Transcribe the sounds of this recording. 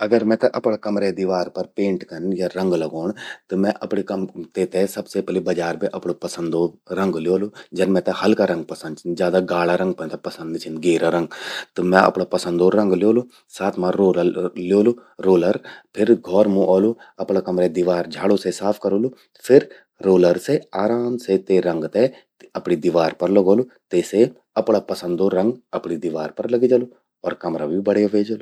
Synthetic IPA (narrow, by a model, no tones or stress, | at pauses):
ɐɡəɾmɛ̃ːt̪ɐʔɐpɳakɐmɾed̪iʋaːɾpɐɾpẽːɳʈkɐnjaːɾɐ̃ŋɡlɐɡoːɳt̪omɛ̃ʔɐpɽikɐmt̪et̪esɐbsepɛlibɐd͡ʒaːɾbiʔɐpɽopɐsə̃nd̪oːɾɐ̃ŋɡljoːlod͡ʒɐnmɛ̃ːt̪ehɐlkaːɾɐ̃ŋɡ̚pɐsənd̪t͡ʃʰɪd͡ʒjaːd̪aɡaːlaːɾɐ̃ŋɡpɛ̃nt̪ɐpɐsə̃nd̪t͡ʃʰɪnd̪ɡeːɾaɾɐ̃ŋɡt̪omɛ̃ʔɐ̰pɽopɐsə̃nd̪oːɾɐ̃ŋɡljoːlu | saːt̪ʰmãɾoːlljoːloɾoːləɾpʰɪɾɡʱɔːɾmũʔɔːluɐpɽaːkɐmɾed̪ɪʋaːɾd͡ʒʱaːɽoːsesaːpʰkɐɾoːlu | pʰɪɾ | ɾoːləɾseaːɾaːmset̪eɾɐ̃ŋɡt̪e | ɐpɽid̪ɪʋaːɾpɐɾləɡoːlut̪eːse | ɐpɽaːpɐsə̃nd̪oːɾɐ̃ŋɡɐpɽid̪ɪʋaːɾpɐɾlɐɡid͡ʒaːluː | ɔːɾkɐmɾaːbʱibəɽejaʋeːd͡ʒaːlu